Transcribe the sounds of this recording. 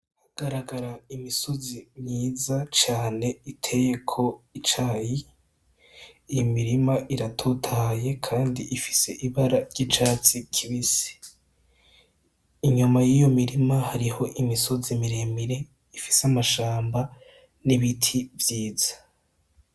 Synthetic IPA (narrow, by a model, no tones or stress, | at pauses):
haɡ̥aɾaɡaɾaimisozimɲiːzat͡ʃaːne̞itʰe̞je̞kʰo̞it͡ʃaːji | jomiɾimaʔiɾatʰutʰaje̞kʰaːndiʔifi̥se̞ʔiβaɾaɾɟit͡ʃaːt͡sikʰiβise̥ | iɲumajijomiɾimahaɾiho̞ʔimisozimiɾe̞miɾe̞ | ifi̥samaʃaːmba | niβitʰivjiːz̥ḁ